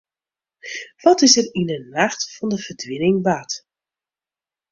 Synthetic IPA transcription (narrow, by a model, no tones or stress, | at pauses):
ʋɔtɪsərinənaxtfɔndəv̥ərdʋɪnɪŋʋat